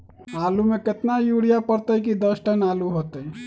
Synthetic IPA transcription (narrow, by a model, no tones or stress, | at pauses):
alumeket̪najuɽijapəɾt̪əjkid̪əsʈənaluɦot̪əj